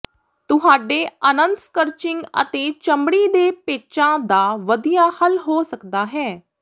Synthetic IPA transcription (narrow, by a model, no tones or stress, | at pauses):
t̪ʊɦaːɖeːənə̃nt̪skəɾt͡ʃɪ̃ŋɡə̰t̪eːt͡ʃəmɽiːd̪eːpeːt͡ʃãːd̪aːʋəd̪ijaːhəlɦoːsəkd̪aːɦɛː